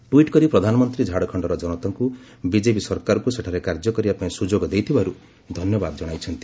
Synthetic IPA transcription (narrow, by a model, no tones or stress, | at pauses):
ʈuiʈkɔɾipɾɔd̪ʱanɔmɔnt̪ɾid͡ʒʱaɽɔkʰɔɳɖɔɾɔd͡ʒɔnɔt̪ɔŋku | bid͡ʒepisɔɾkaɾɔkuseʈʰaɾekaɾd͡ʒɔkɔɾiapɔĩsud͡ʒoɡɔd̪ejt̪ʰibaɾu | d̪ʱɔnjɔbad̪ɔd͡ʒɔɽ̃ajt͡ʃʰɔnt̪i̥